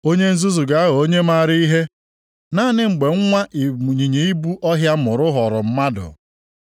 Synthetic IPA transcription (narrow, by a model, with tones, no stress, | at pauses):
o˦ɲe˦n̩˦zu˦zu˨ɡa˨˦a˦ɦɔ˨o˦ɲe˦ma˦˨ɾɪ˦i˦ɦe˦ | na˦nɪ˦ŋ͡m̩˨ɡ͡be˨ŋ̩˦ŋʷa˦ʔi˨ɲi˨ɲe˨i˦bu˦ʔɔ˦ɦja˦mʊ˨ɾʊ˦ɦɔ˨ɾʊ˨m̩˦ma˦dʊ̰˨